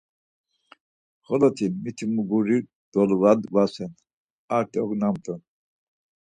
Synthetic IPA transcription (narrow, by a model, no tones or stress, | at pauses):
χɔlɔt̪ʰimit̪ʰimuɡuɾi | d̪̥ɔlvad̪vasɛn | aɾt̪ʰʼɔɡnamt̪ʼɔn